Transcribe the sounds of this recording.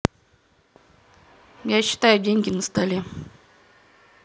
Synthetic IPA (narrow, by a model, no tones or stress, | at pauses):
jaɕːɪ̥t̪ajʊdʲeŋʲɡʲɪnəst̪alʲe